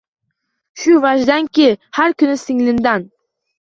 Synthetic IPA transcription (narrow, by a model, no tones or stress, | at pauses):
ʃʊvaʒd̪ankʲʰɪhaɾkʰʊnɪsɪŋlɪnd̪an